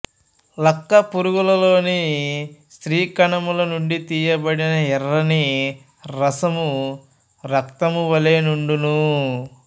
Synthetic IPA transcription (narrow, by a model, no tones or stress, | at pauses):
lɐkːɐpuɾuɡulɐlo̞ːni | st̪ɾiːkɐɳɐmulɐnuɳɖit̪iːjɐbɐɽinɐɛɾːɐni | ɾɐsɐmu | ɾɐkt̪ɐmuʋɐleːnuɳɖunu